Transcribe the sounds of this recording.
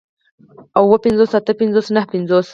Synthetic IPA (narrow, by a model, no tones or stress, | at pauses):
awwəpɪnzoːsat̪əpɪnzoːsnahpɪnzos